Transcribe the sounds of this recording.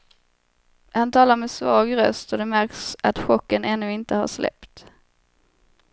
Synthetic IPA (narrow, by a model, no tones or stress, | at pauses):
hant̪ʰɑːlaɾmɛːsvɑːɡɾœ̰st̪ɔd̪ɛmæɾksat̪ɧɔkːənɛnːɵːɪnt̪əha̰ʂlʔɛ̰pt̪